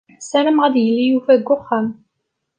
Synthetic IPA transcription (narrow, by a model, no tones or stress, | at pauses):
sæɾəmʁæðjəlːijufæðɡʷʊχːæm